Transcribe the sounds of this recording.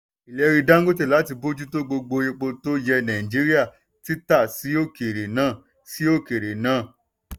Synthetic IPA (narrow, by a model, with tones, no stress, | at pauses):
i˨lɛ˨˧ɾi˧dã˦ŋ̩˦ɡo˦t̬e˦˨la˨˦t̬i˧bo˦d͡ʒu˦to˦ɡ͡bo˧ɡ͡bo˧je˧k͡po˧to˦jɛ˧nã˨ĩ˨d͡ʒi˨˦ɾi˦a˦˨ | ti˨˦ta˦˨si˨˦o˦ke˨ɾe˨nãː˦˨ | si˦o˦ke˨ɾe˨nãː˦˨